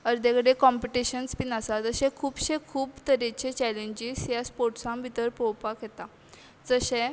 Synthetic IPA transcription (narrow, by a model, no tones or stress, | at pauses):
əɾd̪ekəɽekɔmpiʈiɕənspinəsad͡zəɕɛ̃kʰuːpɕẽkʰuːbt̪əɾet͡ɕet͡ɕɛlẽɲd͡ʑisjaspoɾʈsãmbʱit̪əɾpowpaket̪a | d͡zəɕẽ